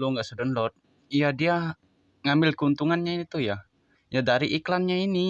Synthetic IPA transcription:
loŋɡaʔsədənlɔt̪̚ | jadia | ŋambɪlkəunt̪uŋanɲainit̪uja | jadaɾiʔiklanɲaini

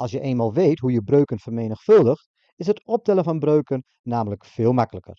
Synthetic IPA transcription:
ʔɑlˠsjəʔeːnmalˠʋeːtɦujəbrøɥkənfərmeːnəxfɵlˠdəxt | ɪsətɔp̚tɛlˠənfɔnbrøːkənːaːmələkfɪːlˠmakələkə̰r

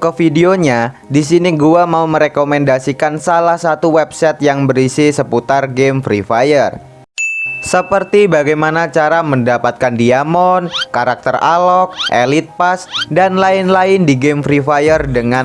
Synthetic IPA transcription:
kəfideoɲadis̬iniɡuamauməɾekomɛndasikansalahsat̪uwɛp̚sɛt̪̚jaŋbəɾisisəput̪arɡemfɾifajər | səpərt̪ibaɡajmanat͡ʃaɾaməndapat̪̚kandiamɔnkaɾak̚t̪əra̰lɔk̚ḛlit̪̚pasdanlaɪnlaɪndiɡemfɾifajərdəŋan

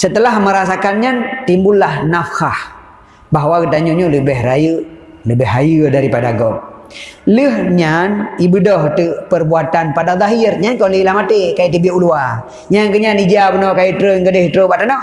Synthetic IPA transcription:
sət̪əlahməɾasakanɲant̪imbulːahnafkah | baɦwakət̪aɲoɲoləbɛhrajə | ləbɛɦajədaɾipadaɡɔk̚ləhɲanibədɔht̪əpərbuat̪anpadad̪ˤaɦirɲankɔləlahmat̪ekajiʔt̪ibiulua | ɲankəɲanid͡ʒabənɔkajət̪ɾəŋɡədəht̪ɾəbat̪anɔh

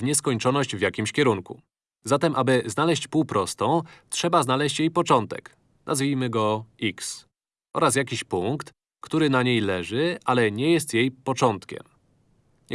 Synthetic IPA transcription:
vɲɛskɔɲt͡ʂɔnɔɕd͡ʑvʲjakʲimɕkʲɛɾuŋkṵ | zat̪ɛmʔabɘznalɛɕt͡ɕpuwpɾɔst̪ɔ̃w̃tʂɛbaznalɛɕt͡ɕjejpɔt͡ʂɔnt̪ɛ̰k | nʔazvʲijmɘɡɔiks | ʔɔɾas̬jakʲiɕpuŋkt̪ | kt̪uɾɘnaɲejlɛʐɘʔalɛɲɛjɛst̪jejpɔt͡ʂɔnt̪kʲɛ̰m

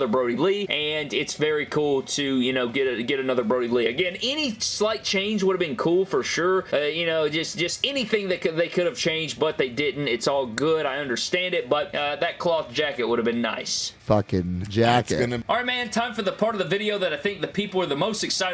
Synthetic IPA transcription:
ðə˞bɹoʊɾibliʔɨ̃nɪtsvɛɹikʰulˠtʰɨjɨnoʊɡɛɾɨɡɛɾɨnʌðə˞bɹoʊɾibliɨɡɛ̃nɛnislaɪt̚t͡ʃʰẽɪ̃nd͡ʒwʊɾɨvbɨ̃nkʰulˠfə˞ʃʊɹʌjɨnoʊd͡ʒʌsd̥ʒ̥ʌstɛniθɪ̃ŋðɨɪkɨðeɪkʰʊɾɨv̥t͡ʃʰẽɪ̃nd͡ʒbʌt̪̚ðeɪdɪdⁿn̩tɨtsɔlˠɡʊɾaɪʌ̃ndə˞stæ̃ndɨt̚b̥ʌt̪̚ʔʌðɨt̚kʰl̥ɔθd̥ʒ̥ækɨt̚wʊɾɨvbɨ̃nːa̰ɪsfʌkɪ̃nd͡ʒækɨ̰ɑɹaɪmæ̃ntʰãɪ̃ɱfə˞ðəpʰɑɹɾʌvðəvɪɾioʊðɨɾaɪθɪ̃ŋk̚ðɨpʰipl̩ˠə˞ðəmoʊstɨksaɪɾ

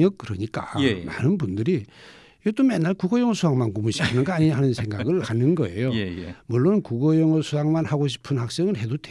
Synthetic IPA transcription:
ʌk̚k͈ɯɾʌɲik͈a̰ma̰nɯnbundɯɾi | jet͈omanːaɭkuɡʌjʌŋʌsʰuwaŋmankomuɕʰi̥pʰɯnɯnɡʌaɲiɲaɦanɯnsʰe̞ŋɡaɡɯɭhanɯnɡʌe̞̰jomuɭːonkuɡʌjʌŋʌsʰuaŋmanhaɡoɕʰi̥pʰɯnhak̚s͈eŋɯɭhe̞dode

